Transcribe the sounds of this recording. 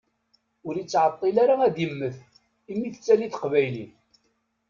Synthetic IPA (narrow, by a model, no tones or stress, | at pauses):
ʊɾit͡sːʕət̪ˤːilaɾaæd̪jəmːəθ | imːiθət͡sːæliθəqvæjlin